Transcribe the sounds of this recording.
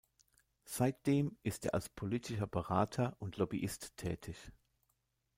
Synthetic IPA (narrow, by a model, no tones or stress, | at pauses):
z̥aɪt̚d̥eːmʔɪstʔeːɐʔa̰lspʰolitʰɪʃɐbəʁaːtʰɐʔʊntʰlɔbiʔɪstʰːɛ̰ːtʰɪç